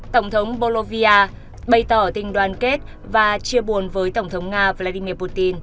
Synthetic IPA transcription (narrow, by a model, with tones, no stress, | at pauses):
t̪ə˧˩wŋ͡mt̪ʰə˨˦wŋ͡mɓo˧lo˧vi˧aː˧ | ɓə˧jt̪əː˧˩t̪ï˨˩ŋ̟ɗwaː˨˩nke˦˥t̚ | vaː˨˩t͡ɕi˧əɓu˨˩ənvəː˨˦jt̪ə˧˩wŋ͡mt̪ʰə˨˦wŋ͡mŋaː˧və˧laː˧ɗi˧mi˧əpu˧t̪i˧n